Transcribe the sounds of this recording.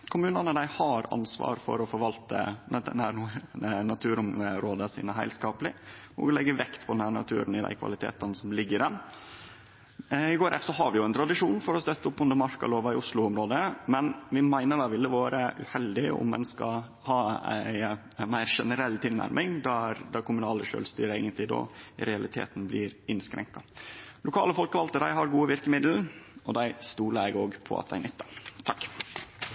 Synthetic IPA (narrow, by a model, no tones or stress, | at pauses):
kʰʊmʉːnənəd̪æɪhɑɾɑ̰nsʋɑ̰ːɾfɔ̰ɾɔfɔɾʋɑlt̪ə̰d̪nænunɑt̪ʰʉːɾʊməɾoːd̪əsḭːnəɦæɪlskɑːpəlɪnṵːɡəlɛɡːəʋɛkt̪pʰɔd̪ɛnhæɾɳɑ̰t̪ʰʉ̰ːɾənɪd̪æ̰ɪkʰʋɑ̰lɪt̪ʰḛːt̪ɑnsɔmlɪɡːəɾɛn | ɪɡoːɾɛfsɔɦɑɾʋɪjʊɛɪnt̪ʰɾɑd̪ɪʂuːnfɔɾɔst̪œt̪ːəʊpːʊnd̪əmɑɾkɑ̰loːʋɑɪʊslʊʊmɾoːd̪əmɛnʋɪmæɪnəɖɑʋɪlːəʋɑːɾəʔʉhɛld̪ɪʊ̰mːɛ̰nskɑ | hɑæ̰ɪ | mæɪɾʂɛnəɾɛlt̪ʰɪlnæ̰ɾmʔɪŋd̪æɾd̪ɑɾkʰʊmʉnɑːləʂø̰ːlst̪y̰ːɾəeːɡənt̪lɪd̪o̰ːɾɛɑlɪt̪ʰḛːt̪n̩blɪːɾɪnskɾɛ̰ŋkɑlʊkʰɑːləfɔlkʋɑlt̪əd̪æɪɦɑɾɡuːəʋɪɾkəmɪd̪l̩ɔd̪æɪst̪uːləɾɛɡoːɡpʰɔ̰ɑ̰t̪̚d̪æ̰ɪnʏt̪ːət̪ʰɑkː